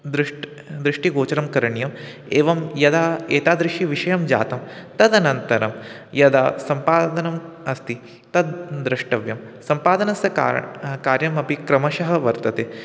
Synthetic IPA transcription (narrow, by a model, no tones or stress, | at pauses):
d̪ɾɨʂʈ | d̪ɾɪʂʈiɡoːt͡ʃɐɾɐmkɐɾɐɳjɐm | eːʋɐmjɐd̪aːeːt̪aːd̪ɾɪʃiʋiʃɐjɐmd͡ʒa̰ːt̪ɐmt̪ɐd̪ɐnɐnt̪ɐɾɐm | jɐd̪aːsɐmpaːd̪ɐnɐm | ɐst̪i | t̪ɐd̪d̪ɾɐʂʈɐʋjɐm | sɐmpaːd̪ɐnɐsɐ̰kaːɾjɐmɐpikɾɐmɐʃɐɦɐ̆ʋɐɾt̪ɐt̪eː